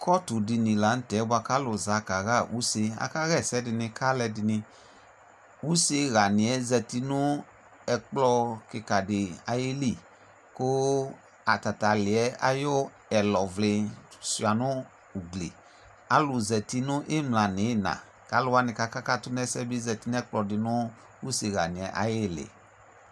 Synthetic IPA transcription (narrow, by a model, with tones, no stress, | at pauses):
kʰɔ˦tu˨di˧nĩ˨la˨˦n̩˦tɛ˨˦ba˧ka˦lo˧za˧ka˨ɣa˦˨ʔṵ˦se˧a̰˧ka˦ɣɛ˦˨sɛ˦di˧nĩ˧ka˦lɛ˧di˧nĩ˧ | u˦se˧ɣa˨nĩ˨ɛ˨˦zɛ˧ti˧nũ˦ | ɛ˧k͡plɔ˧ke˧ka˨de˨a̰˨je˦li˦˨ | ko˦ | a˨ta˨ta˨lɪ˨ɛ˦a̰˨jo˦ | ɛ˨lɔ˨vle˧si˨a˨nʊ̃˦ | u˨ɡlḛ˨ | a˨˦lʊ˨zɛ˨ti˧nʊ̃˦ʔe˦mlã˨nɪ˨˦˨nã̰˨ | ka˨˦lʊ˧wa˦nɪ̃˧ka˦ka˦ka˦tʊ˦nɛ˦sɛ˦bi˦zɛ˧ti˧ñ˦ɛ˦k͡plɔ˧dɪ˨nʊ̃˦ | wu˦se˧ɣa̰˨nĩ˨ɛ˨˦ʔa̰˨je˦˨lḛ˨